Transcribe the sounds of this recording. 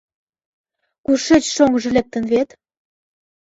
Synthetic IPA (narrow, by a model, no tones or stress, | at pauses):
kuʃet͡ɕʃoŋɡə̆ʒĕlek̚t̪ə̆nβet̪